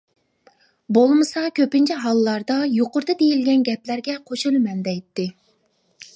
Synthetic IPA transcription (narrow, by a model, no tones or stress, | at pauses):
bolˠmɨsɑkʲʰøpɪnt͡ʃʰiɦɑlˠːɑɾd̪ɑjoqʊɾd̪ɨd̪ejilɡʲɛnɡʲɛplæɾɡʲɛqʰoʃulˠmɛnd̪ɛjt̪ːɪ